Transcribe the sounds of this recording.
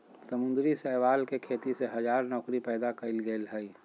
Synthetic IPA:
səmʊ̃nd̪ɾisəɦʋaːlkekʰeːt̪iseɦɐd͡ʒaːɾnɔːkɾipɛːd̪akəɪlɡelɦəi

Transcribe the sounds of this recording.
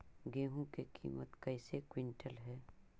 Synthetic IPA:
ɡeːɦũkekʰḭːmət̪kɐɪsekwɪɳʈəlɦɛː

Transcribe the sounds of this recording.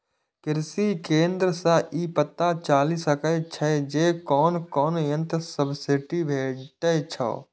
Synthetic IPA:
kɪɾsikẽːnd̪ɾəsə̃ʔipət̪ːat͡ʃaːlisəkət͡ʃʰəd͡ʒekɔːnkɔːnjə̃nt̪səbʱseʈibʱeʈət͡ʃʰə̰

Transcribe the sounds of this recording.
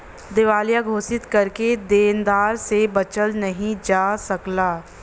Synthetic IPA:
d̪ɪʋaːljaɡʱoːsɪt̪kɐɾked̪eːnd̪aːɾsebɐt͡ʃəlnɐɦĩd͡ʒaːsɐklaː

